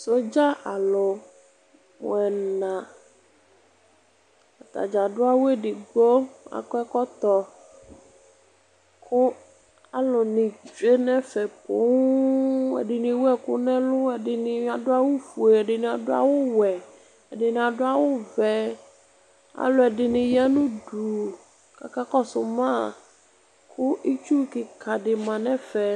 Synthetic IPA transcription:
so˦d͡ʒa˦ʔa˨lo˨ | w̰ɛ˨n˨nã˨ | a˨t̪a̰˨d͡ʒa˨ɖʊ˦a˦wo˦e˦ɖi˨ɡ͡bo˦a̰˨kɔ˦ɛ˦kɔ˦t̪ɔ˦ | kʰʊ˦ | a˨lo˨nĩ˨d͡ʒe˦nɛ̃˦fɛ˨po̰˨˦ | ɛ̰˨ɖɪ˨nɪ̃˨wu˦ɛ˨kʊ̰˦nɛ̃˦lʊ˦ɛ˨dɪ˨nɪ̃˨˦a˨dʊ˦a˦wʊ˦fu˨e˨ɛ˨ɖɪ˨ñ˨a˨dʊ˦a̰˨wʊ˦wɛ˨ | ɛ˨dɪ˨nɪ̃˨a˨dʊ˦a˨wʊ˦vɛ˨ | a̰˨lʊ˨ɛ˨dɪ˨nɪ̃˨ja˦nũ˦du˨ | ka̰˨ka˦kɔ˦sʊ˨mã˦ | kʰʊ˦ʔi˦t͡ʃu˦kɪ˨kʰa˨ɖɪ˨mã˨nɛ̃˦fɛ˨

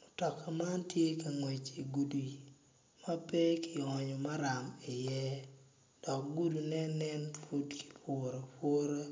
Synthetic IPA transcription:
mo˨tɔ˨kʰa˨ma˦ntje˦ka˨ŋwe˨t͡ʃi˨ɡu˨du˨ | ma˦pe˦kʰi˨ɔ˨ɲo˨ma˦ɾa˨mɪ˨jɛ˦ | d̥ɔ˨k̚ɡu˦du˨nɛ˦nːɛ˦nfu˦tki̥˨pʰʊɾo˨po˦ɾo˦

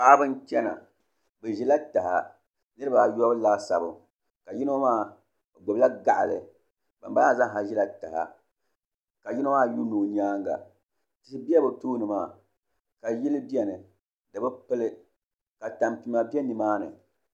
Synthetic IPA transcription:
a˦a˦bɨ˦nt͡ʃɛ˦na̰˨ | bɨ˨ʒɛ˦la˦ta˨ha̰˨ | nɨ˦ɾɨ˦ba˨jɔ˦bɨ˦laː˦sa̰˨bɨ˨ | ka˨ji˦no˦maː˦˨ | ɡ͡bo˨bla˦ɡa˦˨ʔa̰˨lɨ̰˨ | ba̰˨mba˦la˦˨za˦ŋ˨ɦa˨ʒɛ˦la˦ta˨ha̰˨ | ka˨ji˦no˦maː˦ju˦noː˨ɲ˦aː˦ŋɡa̰˨ | ti˦si˦bi˦ɛ˦bɨ˨toː˦nɨ˨maː˦˨ | ka˨ji˦lɨ˦bi˦ɛ˦nɨ˨ | dɨ˨bɨ˦pɨ˦lɨ˦ | ka˨ta˨mti˨ma˨bɛ˦nɨ˨maː˦nɨ̰˨

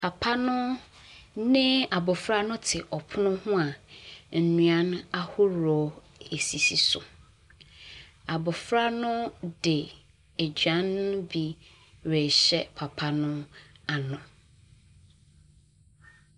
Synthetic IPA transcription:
pʰa˨pʰa˦nʊ̃˦ | nɪ̃˦a˨bʊ˨fɾa˦nʊ̃˦tʰɪ˨ʔɔ˨pʰʊ˦nʊ̃˦hʊ̃˦a˨n̩˨nũ˨ã˦na˦hʊ˦ɾɔ˨˦ | e˨si˨si˨sʊ̰˨ | a˨bɔ˨fɾa˦nʊ̃˦dɪ˨ | e˨d͡ʑɥã˦nːʊ̃˦bi˦ | ɾe˨ɕɛ˦pʰa˨pʰa˦nʊ̃˦a˨nʊ̃˨

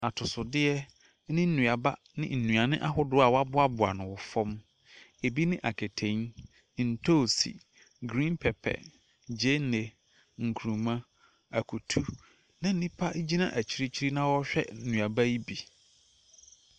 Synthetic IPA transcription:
a˨tʰʊ˨sʊ˨dɪ˦ɛ˦ | nɪ̃˦n̩˦nũ˨a˨ba˦ | nɪ̰̃˦n̩˨nũ˨a˨nɪ̃˦ʔa˦ɦʊ˦dʊ˦a˨wa˦bʊ˦a˦bʊ˨a̰˨nʊ̃˨wɔ˨fɔ̃˦m | e˨bi˦nɪ̃˦ʔa˨kʰe˨tʰẽ˨˦ɲ˨ | n̩˨tʰo˦˨sḭ˨ | ɡɾĩ˦npʰɛ˨pʰɛ̰˨ | d͡ʑe˦ne˨ | ŋ̩˨kʰu˨ũ˨mã˦ | a˨kʰu˨tʰu˦ | nɪ̃˦n̩˦nĩ˦pʰa˦ʔd͡ʑi˦nã̰˦ʔæ˨t͡ɕʰi˦ɾi˦t͡ɕʰi˦ɾi˦nã˦wɔ˦ɕᶣɛ̰˦nũ˨a˨ba˦ji˦bi˨

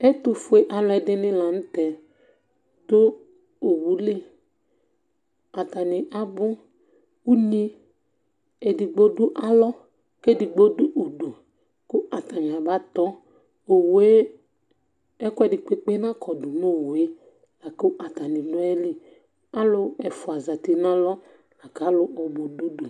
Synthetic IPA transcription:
ɛ˦tʊ˨fʊ˦e˦ʔa˨lɔ˦ɛ˨dɪ˦nɪ̃˦la˨n̩˦tɛ˨ | do˦ | o˨wu˨˦li˦ | a˨ta˨nɪ˨ʔa˨bʊ˦ | u˦nĩ˦ | e˨di˨ɡ͡bo˦dʊ˦ʔa˦lɔ˦ | ke˦˨dɪ˨ɡ͡bo˦dʊ˦ʔo˨do˨ | kʊ˦ʔa˨ta˨ɲ˨a˨ba˦t̪ɔ˦ | o˨wo˨˦e˦ | ɛ˦kʊ˦ɛ˦˨dɪ˨k͡pe˦k͡pe˦nã˦kʰɔ˨dʊ˨no˦˨wo˨e˦ | la˨ko˦ʔa˨ta˨nɪ˨nɔ˦ɛ˦li˦ | a˦lʊ˦ɛ˨fʊ˨a˨za˨ti˨na˦lɔ˦ | a˨ka˨˦lʊ˦ʔɔ˨bo˨du˦du˨

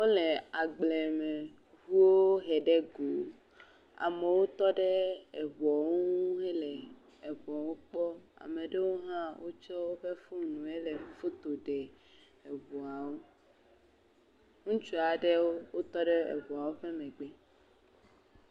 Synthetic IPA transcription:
wo˦le˨a˨ɡ͡ble˨me˨ | vu˦wo˦ɦɛ˨ɖe˦ɡo˨ | a̰˨me˨wo˦t̪ɔ˦ɖe˦ɛ˨βɔ˨ŋu˦ɦe˦le˨ | e˨βɔ˨wo˦k͡pɔ˦a̰˨me˨ɖe˦wo˦ɦã˦wo˦t͡ʃɔ˦wo˦ɸe˦fu˦nũ˨e˦le˨fo˦t̪o˨ɖe˨ | e˨βɔ˨a˨wo˦ | ŋũ˦t͡ʃu˦a˨ɖe˦wo˦wo˦t̪ɔ˦ɖe˦ḛ˨βɔ˨a˨wo˦ɸe˦mɛ̃˨ɡ͡bɛ˦

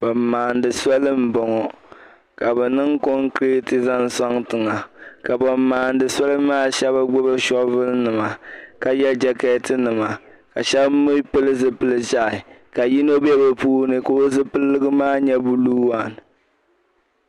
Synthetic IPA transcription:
bɔ˨mː˨aː˨ndɨ˨sa˦lɨ˦m̩˦bɔ˨ŋɔ˨ | ka˨bɛ˨nɨ˦ŋko˦ŋkɾe˦tɨ˦za˦n˦sa˦ŋtɨ˨ŋa˨ka˨bɔ˨mː˦aː˨ndɨ˨sa˦lɨ˦maː˦ʃɛ˦ba˦ɡ͡bʊ˦ba˦ʃɔ˦vɨ˦lnɨ˨ma˨ka˦jɛ˦d͡ʒɛ˦kɛː˦tɨ˦nɨ˨ma˨ | ka˨ʃɛ˦bmʊ˦pɨ˦lɨ˦zɨ˦pɨ˦lɨ˦ʒa˦ʔɪ˨ka˨ji˦no˦bɛ˦bɛ˨puː˦nɨ˨ko˦o˦zɨ˦pɨ˦lːɨ˦ɡɨ˦maː˦ɲɛ˦bu˦luː˦wa˨n˨

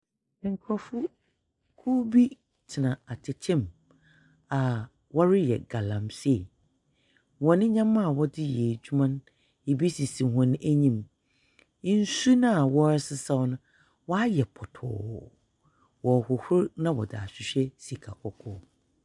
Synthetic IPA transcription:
ŋ̩˨kʰɾɔ˦fʊ˦ | kʰu˦bi˦ | tʰɪ˨nã˨a˨tʰɪ˨t͡ɕʰɛ̃˦˨m | a˨ | wɔ˦ɾɪ˦jɛ̰˨ɡa˨lã˨mse˦˨ | wɔ̃˨nɪ̃˦ɲã˦mã˦a˨wɔ˦dɪ˦jɛː˨d͡ʑᶣu˦mã˦n | e˨bi˦si˨sĩ˨ɦɔ̃˨nɪ̃˦ʔæ˦ɲĩ˦m˦ | n̩˦su˦nã˦a˨wɔ˦ɾɛ˦sɪ˦sa˦wnʊ̃˦ | wɔ˦a˦jɛ˨pʰɔ˨tʰʊ̰˨ | wɔ˨hʊ˨hʊ˦ɾnã˦wɔ̰˨da̰˨ɕᶣɪ˨ɕᶣɛ˦si˨kʰa˨kʰɔ˨kʰɔ˦

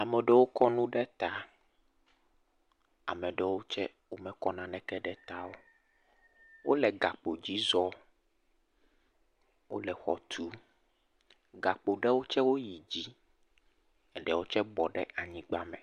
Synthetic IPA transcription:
a˨mɛ˨ɖɛ˦wo˦kɔ˦nũ˦ɖɛ˦t̪a˦ | a̰˨mɛ̃˨ɖɛ˨wo˦t͡ʃɛ˦ | wo˦mɛ̃˦kɔ˦nã˨nɛ̃˨kɛ˦ɖɛ˦t̪a˦wo˦ | wo˦lɛ˨ɡa˨k͡po˨d͡ʑi˦zɔ˦ | wo̰˦lɛ˨xɔ̰˨t̪ʰu˦ | ɡa˨k͡po˨ɖɛ˦wo˦t͡ʃɛ˦wo˦ji˨d͡ʑi˦ | ɛ˨ɖɛ˨wo˦t͡ʃɛ˦bɔ˨ɖɛ̰˦a˨ɲĩ˦ɡ͡ba˦mɛ̃˨

